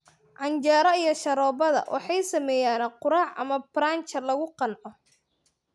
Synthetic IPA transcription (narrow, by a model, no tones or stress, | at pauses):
ʕɑnt͡ʃaːɾɐijɞʃɐɾɔːbɐðɐ̰wʔɑ̰ħɑjsɐmɛːjaːnqʊɾaːʕʔɐ̰mɐbɾaːnt͡ʃɐlɐɣʊqɑnʕɔ